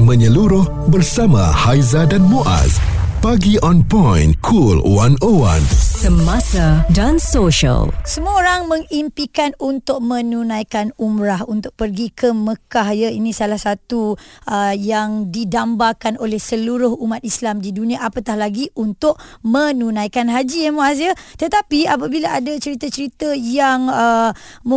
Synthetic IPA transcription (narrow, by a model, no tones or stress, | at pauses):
mə̃ɲəluɾʊh | bərsamã̰hajzadanmoʔa̰spaɡiʔɔnpɔ̃jnkʰulwanowa̰nsəmasadansoʃə̰lsəmuaoɾaŋmə̃ŋimpikanunt̪ʊʔ̚mə̃nunãjkanumɾahunt̪ʊʔ̚pərɡikʰəməkahjəinĩsalahsat̪uʔəjaŋdidambakanolɛhsəluɾʊhumat̪̚islamdidunĩaʔapat̪ahlaɡiʔunt̪ʊʔ̚mə̃nunãjkanɦad͡ʒijamuas̬jət̪ət̪apiap̬abilaʔadat͡ʃəɾit̪ət͡ʃəɾit̪əjaŋəm